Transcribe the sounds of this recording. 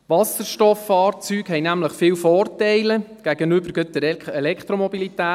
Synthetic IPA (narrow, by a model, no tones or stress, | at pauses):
ʋɑsəɾʃtɔfːɑːrt͡syːkɦɛjnæmləχfɪːwfɔːrtɛɪləɡ̥æɡ̥ənʏbəɾɡ̥ɵt̪əɾɛlɛkt̪ɾomɔbilit̪æː